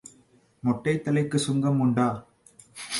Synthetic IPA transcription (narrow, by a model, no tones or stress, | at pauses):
mɔʈːɐɪt̪ːɐlɐɪkːɯsʊŋɡɐmʊɳɖaː